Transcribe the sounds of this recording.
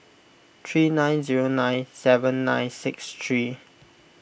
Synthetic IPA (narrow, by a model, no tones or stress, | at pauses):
t̪ʰɹiːnãj̃nziɹonãɪ̃nsɛvə̃nːã̰ɪ̃nsɪkstʰɹi